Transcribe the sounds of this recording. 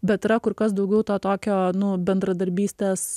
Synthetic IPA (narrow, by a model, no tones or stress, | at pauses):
bʲɛt̪ːɾɐkʊɾkɐsd̪ɐʊɡʲɛʊt̪oːt̪oːkʲoːnʊbʲɛnd̪ɾɐd̪ɐɾʲbʲiːsʲt̪ʲeːs